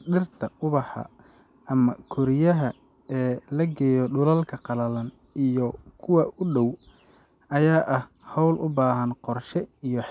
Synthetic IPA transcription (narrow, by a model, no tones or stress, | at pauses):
ɖɪrt̪ʰɐʊβɐħɐ̰ | ɐmɐkʰɔɾɪjɐɦɐ | ɛːlɐɡɛːjɔɖʊlɐlkʰɐqɑlɐlɐn | ijɔkʰʊwɐʔʊɖɔw | ɐjaːʔɐh | hɔwlʔʊbaːɦɐnqɔrʃɛijɔ